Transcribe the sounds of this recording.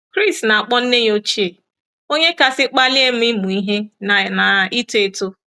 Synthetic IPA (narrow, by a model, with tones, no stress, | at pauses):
kɾi˦˨stna˨a˨k͡pɔ˦n̩˦ne˦ɲ˦o˦t͡ʃi˦e˨ | o˦ɲe˦ka˦sɪ˦k͡pa˦li˦e˦m̩˦i˦mu˨i˦ɦe˦na˨na˨i˦tu˦e˦to˦